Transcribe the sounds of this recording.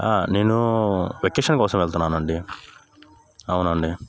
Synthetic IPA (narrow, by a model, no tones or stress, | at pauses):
aːne̞ːnuʋekeːʂɐnkɔːsɐmɛɭt̪unːaːnɐɳɖi | ɐwnɐɳɖi